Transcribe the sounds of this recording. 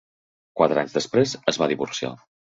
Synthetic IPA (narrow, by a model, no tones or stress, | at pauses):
kwat̪ɾaɲzðəspɾezəzβaðiβursia̰